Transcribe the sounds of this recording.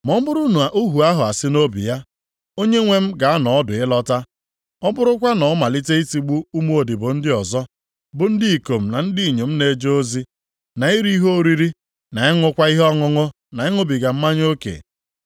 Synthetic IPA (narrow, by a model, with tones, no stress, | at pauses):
mɔ˨˦m̩˦bʊ˦ɾu˦nu˨a˨ʔu˦ɦu˨a˦ɦʊ˨a˨sɪ˦no˦bḭ˨ja˦ | o˦ɲe˦ŋʷe˦˨m̩˦ɡa˨a˦nɔ˨ɔ˦dʊ˨ɪ˦lɔ˦ta˦ | ɔ˦bʊ˦ɾʊ˦kʷa˦nɔ˨˦ma˨li˦te˦i˦ti˨˦ɡ͡bu˦u˦m˦o˨di˨bʊ˨n̩˦dɪ˦ɔ˨zɔ˦ | bʊ˨n̩˦dɪ˦i˨ko˨m̩˨na˨n̩˦di˦i˨ɲe˨m̩˦ne˨d͡ʒo˦o˦zi˦ | na˨i˦ɾi˦i˦ɦo˦˨ɾi˦ɾi˦ | na˨ɪ˦ŋʊ˦kʷa˦i˦ɦɔ˦ŋʊ˦ŋʊ˦ | na˨ɪ˦ŋʊ˦bi˨ɡa˨m̩˦ma˦ɲ˦o˦kḛ˨